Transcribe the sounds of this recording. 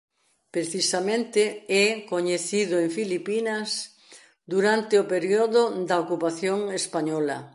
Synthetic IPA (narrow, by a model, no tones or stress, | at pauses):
pɾeθisamẽnt̪eɛkoɲeθiðʊeɱfilipinɐs | d̪uɾant̪eopeɾjoðʊd̪ɐokupaθjoŋespaɲɔlɐ̰